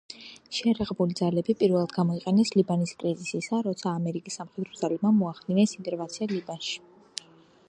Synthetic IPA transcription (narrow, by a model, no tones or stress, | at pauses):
ʃɛjaɾaʁɛbulid̪zalɛbipʼiɾvɛlˠad̪ɡamɔiqʼɛnɛslibaniskʼɾizisisaɾɔt̪sʰaːmɛɾikʼisːamχɛd̪ɾɔd̪zalɛbmamɔaχd̪inɛsint̪ʼɛɾvat̪sʰialibanʃi̥